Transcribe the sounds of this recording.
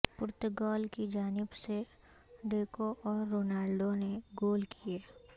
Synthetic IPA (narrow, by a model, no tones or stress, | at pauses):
pʊɾt̪əɡɔːlkid͡ʒaːnɪbse | ɖeːkoʔɔːɾːoːnaːlɖoneɡoːlkʰieː